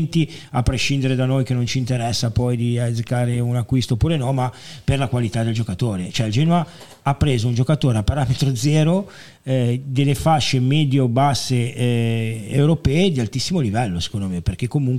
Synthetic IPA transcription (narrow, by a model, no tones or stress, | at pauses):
nt̪iapːɾeʃind̪eɾed̪anojkenont͡ʃint̪eɾɛsːapɔjd̪iazkaːɾeunakːwist̪oːpːuːɾenɔmaperlakwalit̪ad̪eld͡ʒokat̪oːɾet͡ʃoɛild͡ʒɛnoa | apːɾeːzound͡ʒokat̪oːɾeapaɾaːmet̪ɾod̪zɛːɾo | d̪elːefaʃːemɛːd̪jobasːe | ewɾopɛːed̪ialt̪isːimolivɛlːose̥kõnd̪omeperk̟ekːomuŋ